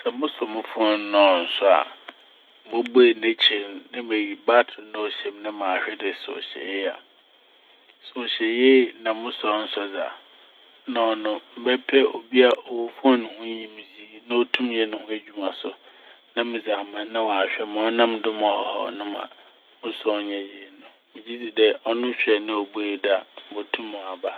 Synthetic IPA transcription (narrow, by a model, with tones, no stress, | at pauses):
sɛ˨mʊ̃˦sɔ˨mʊ̃˦fɔ̃˦n˦nɔ̃˨˦˨n̩˨sʊ˦a̰˨ | bo˦bʊ˦e˨nẽ˦t͡ɕʰi˨nnɪ̃˦me˨ji˨ba˦tʰʊ˨˦nʊ̃˦o˦ɕɛ̃˨mnɪ̃˦mã˨ɕᶣɛ˦dɪ˨so̰˨ɕɛ̰˨˦a̰˨ | so˨ɕɛ˨jɛ˦nã˨mʊ̃˦sɔ˨˦n̩˦sɔ˦d͡za̰˨˦ | nɔ̃˦˨nʊ̃˦m̩˨bɛ˦pʰɛ˦ʔo˨bi˦a˨ʔɔ˨wu˨fɔ˦nʊ̃˨hʊ̃˦ɲĩ˨mĩ˨d͡zi˦nã˦o˦tʰũ˦mjɛ˨nʊ̃˦hʊ̃˦æ˨d͡ʑᶣu˦mã˨sʊ˨ | nã˦mɪ̃˨d͡za˨mã˨˦nã˦wɔ˨a˨ɕᶣɛ˦mã˨ɔ˦nã˦mdʊ˦mɔ̃˨ɔ˨hɔ̰˦nʊ̃˦mã̰˨ | mʊ̃˦sɔ˦ɲɛ˨je˦˨nʊ̃˨ | mɪ̃˨d͡ʑi˦di˨dɛ˦ɔ˦nʊ̃˦ɕᶣɛ˨nɪ̃˦o˨beː˦˨da˦m̩˦bo˨tʰũ˦mːʊ̃˨a˨ba˦